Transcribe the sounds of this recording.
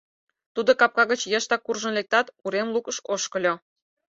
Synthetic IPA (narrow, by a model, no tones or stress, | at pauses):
t̪ud̪okɑp̚kɑɣət͡ɕjəʃt̪ɑkurʒənlek̚t̪ɑt̪uɾemlukəʃoʃkə̆lʲo